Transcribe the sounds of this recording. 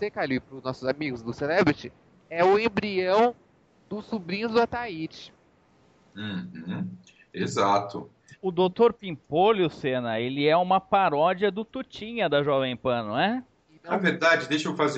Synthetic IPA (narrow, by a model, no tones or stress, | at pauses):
sekalʊɪpɾʊznɔsʊzamiɡʊzd̪ʊselɛbɾɪt͡ʃɪ | ɛʊẽbɾiɐ̃w̃ | d̪ʊsubɾĩɲʊzd̪ʊat̪ait͡ʃɪ̥ | h̩ | ezat̪ʊ | ʊd̪owt̪oɾpĩpolusenɐelɪɛũmɐpaɾɔd͡ʒiɐd̪ʊt̪ut͡ʃĩɲɐd̪ɐʒɔvẽj̃pɐ̃nʊɛ | ɐveɾd̪ad͡ʒɪd̪ejʃowfaze